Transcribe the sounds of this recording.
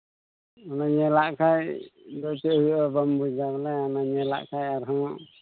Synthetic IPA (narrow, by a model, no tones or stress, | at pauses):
ɔnaɲɛlaʔkajd̪ɔt̪ɛhujɔbambud͡ʒablɛanaɲɛla̰ʔkajaɾɦɔ̃